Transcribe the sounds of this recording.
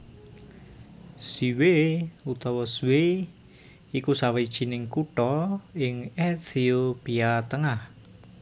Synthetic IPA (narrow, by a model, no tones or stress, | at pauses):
siweut̪ɔwɔswe | ikusawed̥ʒ̥i̤nɪŋkuʈɔɪŋɛt̪ʰiopiat̪əŋah